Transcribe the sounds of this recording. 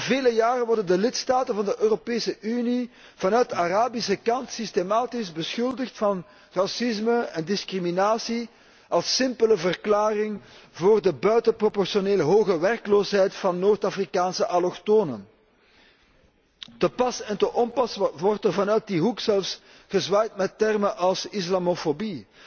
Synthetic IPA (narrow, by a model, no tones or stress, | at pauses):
veːləjaːrənʋɔrdəndəlɪtstaːtənvɑndəʔøːropeːsəʔyni | v̥ɑnœɥtaraːbisəkɑntsistemaːtɪzbəsxʏlˠdəxtfɑn | rɑsɪzməɛndɪskriminaːsi | ʔɑlˠsːɪmpələvərklaːrɪŋvoːrdəbœɥtəpropɔrsioneːləɦoːɣəʋɛrkloːsɦɛjtfɑnːoːrtafrikaːnsəʔalɔxtoːnə̰n | təpɑsɛntəʔɔmpɑsʋɔrtərvɑnœːɥt̚diɦuksɛlfs | ɣəzʋaːjtmɛtːɛrməʔɑlˠsislamofobi